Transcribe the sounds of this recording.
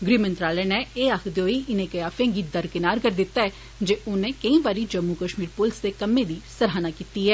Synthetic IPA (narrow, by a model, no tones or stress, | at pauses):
ɡɾiːmənt̪ɾaːlɛːnɛːeːaːkʰd̪oːiːʔɪnẽːkəjaːfʰẽːɡiːd̪əɾkɪnaːɾkəɾd̪ɪt̪ːaːɛː | d͡ʒeːʔʊnẽːkəĩːʋaːɾiːd͡ʒəmːuːkəʃmiːɾpʊlɪsd̪eːkəmːẽːd̪iːsəɾɦaːnaːkiːt̪iːɦɛː